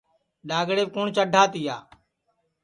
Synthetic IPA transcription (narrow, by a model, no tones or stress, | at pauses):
ɗaːɡɽeːkʊːɳt͡ʃəɖʱaːt̪iːa̰ː